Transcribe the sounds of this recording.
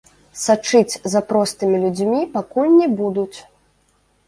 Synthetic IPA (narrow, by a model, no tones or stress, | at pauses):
sat͡ʂɨt͡sʲzapɾɔst̪ɨmʲilʲud͡zʲmʲipakulʲnʲɛbud̪ut͡sʲ